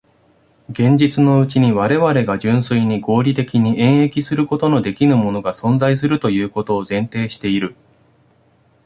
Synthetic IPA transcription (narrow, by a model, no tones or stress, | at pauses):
ɡẽ̞ɲ̟d͡ʑit͡sɨno̞ɯ̟t͡ɕiɲ̟iβaɾe̞βaɾe̞ɡad͡ʑɨ̃ɰ̃sɨiɲ̟iɡo̞ːɾʲit̪e̞kʲiɲ̟iẽ̞ɰ̃e̞kʲisɨɾɯ̟ko̞t̪o̞no̞d̪e̞kʲinɯ̟mo̞no̞ɡasõ̞nd͡zaisɨɾɯ̟t̪o̞jɯ̟ːko̞t̪o̞ːzẽ̞nt̪e̞ːɕi̥t̪e̞iɾɯ̟